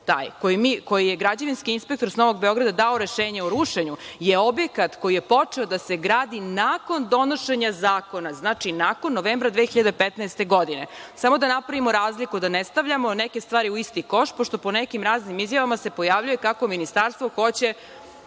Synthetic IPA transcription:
t̪a̰ːjkojimiːko̞jijeɡɾad͡ʑaʋinskiinspe̞k̚t̪o̞ɾsno̞ʋo̞ɡbeo̞ɡɾad̪ad̪aoɾeʃeːɲeuɾuʃeɲujeo̞bjekat̪ko̞jijepo̞t͡ʂeo̞d̪aseɡɾaːd̪inaːko̞nd̪o̞no̞ʃeɲazaːko̞naznaːt͡ʂinako̞nːoʋeːmbɾad̪ʋexiʎad̪epet̪naest̪e̞ɡo̞d̪inḛsamo̞d̪anapɾaʋimoɾaːzlikud̪anest̪aʋʎamo̞nɛke̞st̪ʋaːɾiuist̪iko̞ʃt̪poʃt̪o̞po̞nɛkimɾaːznimizjaʋamase̞po̞javʎuje̞kako̞minist̪aɾst̪ʋoxo̞t͡ɕe̞

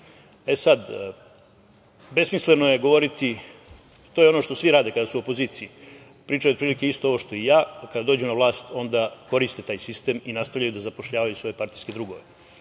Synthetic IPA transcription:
esad̪ | be̞smislenojeɡo̞ʋo̞ɾit̪i | t̪ojeo̞noʃt̪osʋiɾaːd̪e̞kad̪asuo̞poziːt̪sii | pɾiːt͡ʃajuopɾilike̞ist̪o̞o̞ʋo̞ʃt̪o̞ijaːkad̪ad̪o̞ːd͡ʒunaʋlˠaːst̪o̞nd̪ako̞ɾist̪e̞t̪aːjsist̪e̞ːminast̪avʋʎajud̪azapo̞ʃʎaːʋajusʋo̞jepaɾt̪ijske̞d̪ɾuɡo̞ʋe

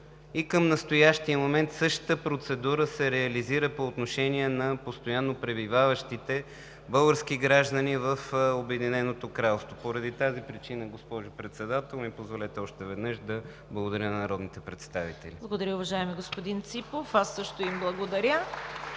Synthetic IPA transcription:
ikəmnɐst̪ojaʃt̪iəmomɛnt̪sɤʃt̪t̪əpɾot̪sɛd̪uɾəsɛɾɛɐliziɾəpoːt̪noʃɛniɛnɐpost̪ojanːopɾɛbivavəʃt̪it̪ɛ | bɤlˠɡəɾskiɡɾaʒd̪ənivəfobɛd̪inɛnot̪okɾalˠst̪vopoɾɐd̪it̪azipɾit͡ʃinəɡospɔʒʊpɾɛt̪sɛd̪at̪ɛlˠmipozvolɛt̪ɛɔʃt̪ɛvɛd̪nɤʃd̪ɐ | blˠəɡod̪ɐɾʲənɐnɐɾɔd̪nit̪ɛpɾɛt̪st̪avit̪ɛliblˠəɡod̪ɐɾjəʊvɐʒaɛmiɡospod̪int̪sipofasːɤʃt̪oimblˠɐɡod̪ɐɾʲə

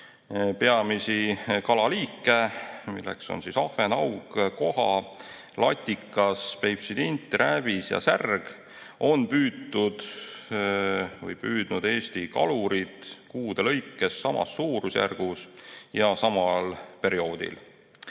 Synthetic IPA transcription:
pe̞ɑmisikɑlɑliːkːˑe̞mḭlːḛkso̞̰nsisɑhvenɑwɡ̥ko̞ɦɑ | lɑt̪ʲːˑikːˑɑspejpsid̪int̪ːˑɾʔævisjɑ̰særɡ̥ | ʔo̞npyːt̪ːud̪̥ | vɤ̰jpyːd̪̥nud̪̥e̞ːst̪ikɑ̰luɾid̪̥kuːd̪̥elɤ̞jkːe̞sːɑmɑ̰sːuːɾusjæ̰rɡ̥usjɑsɑmɑlpe̞ɾio̞ːd̪̥ḭl

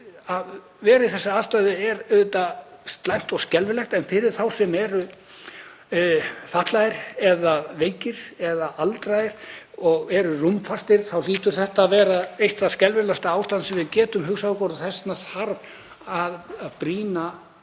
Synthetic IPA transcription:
að | vɛːɾɪθɛsːaaðst̪œɥðʏɛɾʏðt̪ast̪lajn̥t̪ɔɣscɛlvɪlɛxt̪ɛnfɪɾɪɾ̥θawsɛmɛɾʏ | faht̪lajɪɾ̥ɛðaveːjcɪɾ̥ɛðaʔalt̪ɾajɪɾ̥ | ɔɣɛɾʏrumfarst̪ɪɾ̥θawliːt̪ʏɾ̥θɛht̪aːvɛːɾaejht̪θaðscɛlvɪlɛst̪aaːwst̪ansɛmvɪðcɛːt̪ʏmɦʏxsaðʏkɔɾθɛsnasaɾv | aððpɾiːna

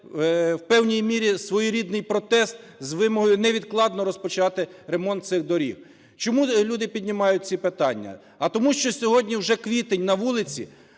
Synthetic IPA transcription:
wpɛwnʲijmʲiɾʲisʋɔjiɾʲid̪nɪjpɾɔt̪ɛst̪ | zʋɪmɔɦɔjʊnɛʋʲid̪klˠɑd̪nɔɾɔspɔt͡ʃɑt̪ɪɾemɔnt̪̚sɪxd̪ɔɾʲḭw | t͡ʃɔmulʲud̪ɪpʲid̪ʲnʲɪmɑjʊt̚ʲt͡sʲipɪt̪ɑnʲːɐ̰ | ɐt̪ɔmuʃt͡ʃɔsʲɔɦɔdʲnʲiwʒɛkʋʲit̪enʲnɐʋulˠɪt͡sʲḭ

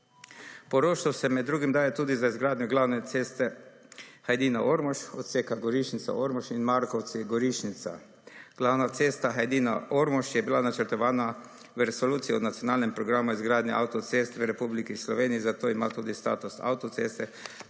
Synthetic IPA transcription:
pɔɾoʃawsɛmɛd̪ːɾuːɡimd̪aːjɛt̪uːd̪izaizɡɾaːd̪njɔɡlawnɛt̪eːst̪ɛ | xajd̪iːnaʔoɾmɔʃɔt̪seːkaɡɔɾiʃnit̪sa̰oɾmɔʃinmaɾkɔw̪siɡɔɾiʃnit̪sa̰ | ɡ̥lawnat̪seːst̪axajd̪iːna̰ʔoɾmɔʃjɛbilanat͡ʃɛɾt̪ɔʋaːna | wəɾɛsɔluːt̪siɔnat̪sjɔnaːlnɛmpɾɔɡɾamʊizɡɾaːd̪nɛʔa̰wt̪ɔt̪sest̪ʋəɾɛpublikislɔʋeːniizat̪oːimat̪uːd̪ist̪a̰ːt̪usa̰wt̪ɔt̪sest̪ɛ

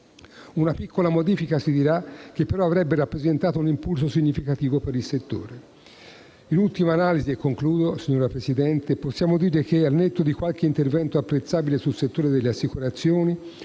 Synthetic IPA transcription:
unapikʰːolamod̪iːfikasid̪iɾak̟epːeɾɔavɾɛbːeɾapːɾezent̪aːt̪ounimpuls̬osiɲːifikat̪iːvopeɾilset̪ːo̰ːɾe | inult̪imaːnaːliziɛkːoŋkluːd̪osiɲːoːɾapɾesid̪ɛnt̪eposːjaːmod̪iːɾek̟ealnet̪ːod̪ikwalk̟eint̪ervɛnt̪oapːɾet̪sːaːbilesulset̪ːoːɾed̪elːeasːikuɾat̪sːjoːni

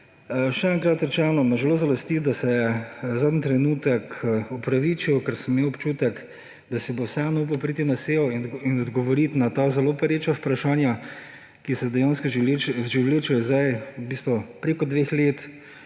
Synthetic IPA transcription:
ʃɛɛŋkɾat̪ɾɛt͡ʃɛnɔmɐʒɛloːzalɔst̪it̪d̪asɛjɛzaːd̪nit̪ɾɛnuːt̪əkupɾaʋit͡ʃiwkaɾsəmːewɔpt͡ʃuːt̪ək | d̪asɛbowsɛanɔup̬ɐwpɾit̪inaseɔiinɔd̪ɡɔʋɔɾit̪nat̪azɛlopɛɾeːt͡ʃapɾaʃaːnja | kisɛd̪ɛjanskɔʒeʒiwleːt͡ʃɛjɛzd̪ajubist̪ʋɔpɾeːkɔd̪ʋexleːt̪

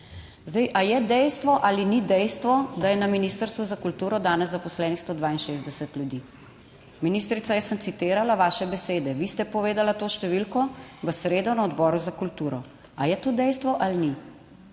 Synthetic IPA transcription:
zd̪ɛjʔajɛd̪ɛjst̪ʋɔʔalinid̪ɛjst̪ʋɔd̪ajɛnaminiːst̪əɾst̪ʋuzakult̪uːɾɔd̪aːnɛzːapɔslɛːnixst̪oːd̪ʋaːinʃeːzd̪ɛsɛt̪ljud̪i | miniːst̪ɾit̪sajɛsənt̪sit̪eːɾalaʋaːʃɛbɛseːd̪ɛʋist̪ɛpɔʋeːd̪alat̪oːʃt̪ɛʋilkɔʋəsɾeːd̪ɔnaɔd̪bɔːɾuzakult̪uːɾɔ | ajɛt̪oːd̪ɛjst̪ʋɔʔalini

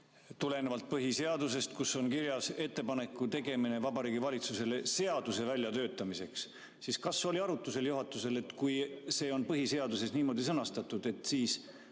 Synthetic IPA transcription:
t̪ule̞nevɑlt̪̚pɤɦise̞ɑd̪use̞st̪̚kusːo̞nkiɾjɑse̞t̪ːe̞pɑne̞kːˑut̪e̞ɡe̞mine̞vɑbɑɾiːɡivɑlʲit̪suse̞lese̞ɑd̪̥use̞vælʲjɑt̪ø̞ːt̪ːˑɑmise̞ks | siskɑsːo̞lʲiɑɾut̪ːˑuse̞ljuɦɑt̪ːˑuse̞le̞t̪ːˑkujse̞ːo̞npɤɦise̞ɑd̪use̞sniːmo̞ːd̪̥isɤnɑst̪ɑt̪ːˑud̪̥e̞t̪ːsiːs

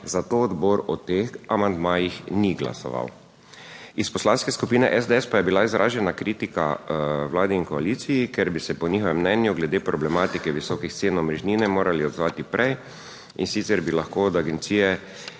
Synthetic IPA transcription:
zat̪oːd̪bɔɾɔt̪eːxamand̪maːjixniɡla̰sɔ̰ʋa̰w | ispɔslanskɛskupiːnɛʔɛzd̪ɛɛspajɛbilaizɾʔa̰ːʒɛnakɾiːt̪ika̰wlaːd̪ɛinkɔaliːt̪sijikeɾbisɛpɔniːxɔʋɛmːnɛnjuɡlɛd̪eːpɾɔblɛmaːt̪ikɛʋisɔːkixt̪seːnɔmɾɛʒniːnɛmoːɾaliɔd̪zʋaːt̪ipɾʔɛj | insit̪sɛɾbilaxkod̪aɡɛnt̪siːjɛ

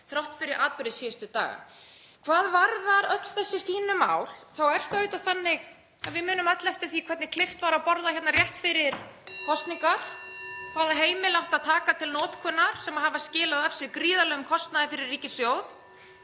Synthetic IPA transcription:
θɾawht̪fɪɾɪɾʔaːt̪̚pɪɾɪðsiːjast̪ʏt̪a̰ːɣa̰ | kʰvaːðvaɾðaɾœt̪l̥θɛsːɪ̥fiːnʏma̰ːwl̥θawɛɾ̥θaʏːt̪aθanːɪɣ | aðvɪmʏːnʏmœt̪lɛft̪ɪθikʰvɛɾt̪nɪkʰlɪft̪vaɾawpɔɾðaçɛt̪narjɛht̪fɪɾɪɾ̥kʰɔst̪niŋkaɾ̥kʰvaːðaɦeːjmɪlawht̪aðt̪ʰaːkat̪ʰɪlnɔːt̪kʰœːnːaɾ̥sɛmaɦavascɪːlaðav̥sjɛkɾiːðalœːɣʏmkʰɔst̪naðɪfɪɾɪrːiːcɪsjoːwð

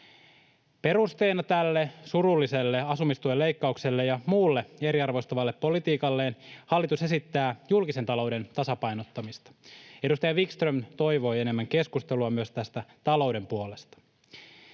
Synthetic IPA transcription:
pe̞ɾust̪e̞ːnɑt̪ælːe̞surulːise̞lːeɑsumist̪uelːe̞jkːɑukse̞lːejɑmuːlːee̞ɾiɑrʋojst̪ɑʋɑlːepːo̞lit̪iːkɑlːe̞ːnhɑlːit̪use̞sit̪ːæːjulkiset̪ɑlo̞wde̞nt̪ɑsɑpɑjnot̪ːɑmist̪ɑ̥e̞dust̪ɑjɑʋikst̪rømt̪o̞jʋo̞je̞ne̞mːæŋke̞skust̪eluɑmyøst̪æst̪æt̪ɑlo̞wde̞mpuo̞le̞st̪ɑ̥

